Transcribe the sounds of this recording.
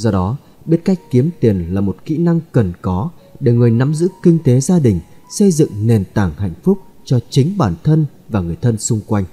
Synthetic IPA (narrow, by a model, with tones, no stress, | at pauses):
zɔ˧ɗɔ˨˦ | ɓi˦˥t̚ka˦˥jk̟̚ki˨˦əmt̪i˨˩ənlaː˨˩mo˨˩t̚kḭ˧˥na˧ŋkə˨˩nkɔ˨˦ɗe˧˩ŋɨ˨˩əjna˨˦mzɨ̰˧˥kï˧ŋ̟t̪e˨˦zaː˧ɗï˨˩ŋ̟sə˧jzɨ̰˧˨ŋne˨˩nt̪aː˧˩ŋha̰˧˨jŋ̟fʊ˦˥k͡p̚ | t͡ɕɔ˧t͡ɕï˨˦ŋ̟ɓaː˧˩nt̪ʰə˧n | vaː˨˩ŋɨ˨˩əjt̪ʰə˧nsʊ˧ŋ͡mkwa˧jŋ̟